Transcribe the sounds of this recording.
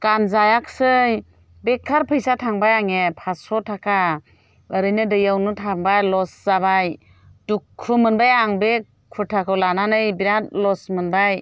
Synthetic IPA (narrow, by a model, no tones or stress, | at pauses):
kanzajak̚sɯj | bekʰːaɾpʰɯjsatʰaŋbajaŋepʰasɔtʰakʰa | ɯɾɯjnɯdɯjawnɯtʰaŋbajlɔsz̥abaj | dukʰːumɯnbajaŋbe | kʰuɾtʰakʰɯwlananɯjbiɾatlɔsmɯnbaj